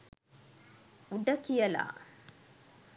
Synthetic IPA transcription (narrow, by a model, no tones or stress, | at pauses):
uɖɐkijɐla̰ː